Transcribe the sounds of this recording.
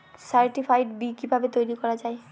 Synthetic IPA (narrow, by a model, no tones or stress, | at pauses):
saɾʈifʰajʈbikibʱabet̪ojɾikɔɾad͡ʑae